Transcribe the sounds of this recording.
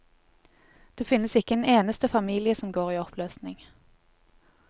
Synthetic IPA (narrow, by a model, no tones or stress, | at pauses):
d̪̥eːfɪnːəsɪkəɛneːnəst̪əfɑmiːlɪəsɔmɡoːʁiːɔpʰløːsnɪŋ